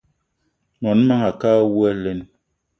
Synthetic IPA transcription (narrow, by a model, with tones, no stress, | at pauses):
nɔ˨n˦ma˦ŋa˨ka˦wu˦ɛ˦le˦n˦